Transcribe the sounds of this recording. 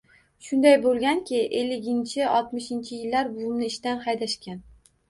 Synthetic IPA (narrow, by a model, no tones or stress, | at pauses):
ʃʊnd̪ajbolˠɡʲankʲʰɪʔelːɪɡʲɪnt͡ʃʰɪɒlˠt̪mɪʃɪnt͡ʃʰɪjɪlːaɾbʊmnɪɪʃt̪anhɑjd̪aʃkʲan